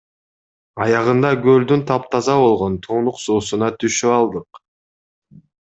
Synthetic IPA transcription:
ɑjɑʁɯnd̪ɑɡøld̪ynt̪ʰɑp̚t̪ʰɑzɑβo̞lˠʁo̞nt̪ʰuːnuqsuːsunɑt̪ʰyʃyɑlˠd̪ɯq

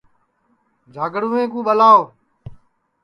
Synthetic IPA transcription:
d͡ʒʱaːɡɽũːẽːkũːɓəlaːo

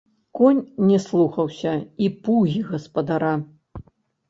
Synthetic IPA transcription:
kɔnʲːɛslˠuxɐwsʲɐipuɣʲiɣɐspɐd̪aɾa

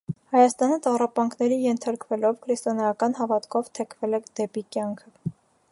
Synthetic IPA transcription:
hɑjɑst̪ɑnət̪ɑrɑpɑŋkʰnɛɾijɛnt̪ʰɑɾkvɛlɔvkʰɾist̪ɔnɑjɑkɑnɦɑvɑt̪kʰɔvt̪ʰɛkʰvɛlɛd̪̥ɛpikjɑŋkʰə

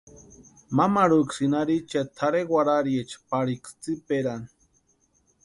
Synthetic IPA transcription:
mamaɾuksinaɾit͡ʃet̪ʰaɾeɡwaɾaɾjet͡ʃpaɾikst͡sipeɾani

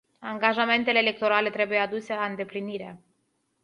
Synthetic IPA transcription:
aŋɡaʒame̞nt̪eleːle̞k̚t̪o̞ɾale̞t̪ɾe̞buje̞ad̪use̞laɨnd̪e̞pliniɾea̰

